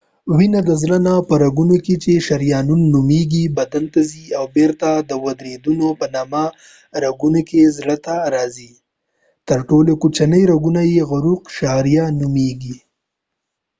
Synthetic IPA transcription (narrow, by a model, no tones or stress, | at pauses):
winad̪əzɽənapəɾaɡunoket͡ʃeʃaɾjɑnunːumeɡibad̪ant̪aziawbeɾt̪ad̪əwad̪ɾed̪unopənɑma | ɾaɡunokezɽət̪aɾɑzi | t̪əɾʈolokut͡ʃanəjɾaɡunajeɣʊɾuqʃɑɾijanumeɡi